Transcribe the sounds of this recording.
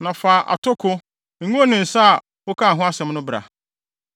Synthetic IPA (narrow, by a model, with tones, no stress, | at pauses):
nã˨faː˨ʔa̰˨tʰʊ˦kʰʊ˦ | ŋ̩˨ŋũ˦o˦nɪ̃˨n̩˨sa˦a˨ | wo˦kʰa˦˨ɦʊ̃˦a˦sɛ̃˦mnʊ̃˦bɾa̰˨